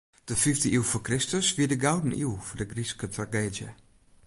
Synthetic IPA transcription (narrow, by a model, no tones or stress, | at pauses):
d̥əfiftəiwfokrɪstəsʋiədəɡawdn̩ḭwfʊdəɡriskətraɡeːdjə